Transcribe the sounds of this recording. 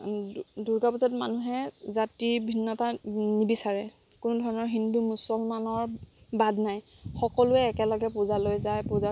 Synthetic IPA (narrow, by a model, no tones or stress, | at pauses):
duɹɡapuzatmanuɦɛzatibʱinːɔtanibisaɹɛ | kʊnʊdʱɔɹɔnɔɹɦindumusɔlmanɔɹbadnaj | xɔkɔlʊɛːkɛlɔɡɛpuzalojzajpʊza